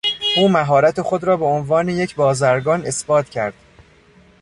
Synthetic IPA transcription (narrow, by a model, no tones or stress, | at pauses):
ʔuːmæɦɒːɾæt̪ʰe̞xo̞d̪ɾɒːbe̞onvɒːnejecʰbɒːzæɾɡɒːne̞sbɒːt̪ʰcʰæɾd̪̥